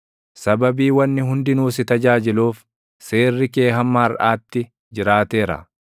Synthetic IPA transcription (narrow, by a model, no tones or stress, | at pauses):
sɐbɐbiːwɐnːɪɦʊnd̪ɪnuːsɪt̪ɐd͡ʒaːd͡ʒɪluːf | seːrːɪke̞ːɦɐmːaːɾʔaːt̪ːɪ | d͡ʒɪɾaːt̪e̞ːɾɐ̰